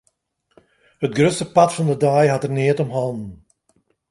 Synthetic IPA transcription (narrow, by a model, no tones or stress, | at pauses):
hətɡrøsəpɑtfɑndədajɦɑtərnɪətɔmɦɑlˠdn̩